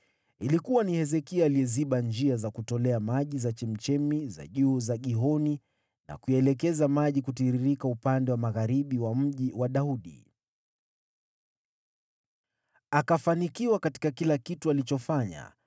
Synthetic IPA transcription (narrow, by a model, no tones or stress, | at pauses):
ilikuwanihɛzɛkiaːliɛziɓand͡ʒiazakutɔlɛamaʄizat͡ʃim̩t͡ʃɛmiza̰ʄuːzaɠiɦɔni | na̰kuɛlɛkɛzamaʄikutiɾiɾikaupandɛwamaɣaɾiɓiwam̩ʄiwaɗauɗḭ | akafanikiwakati̥kakilakitualit͡ʃɔfaɲa̰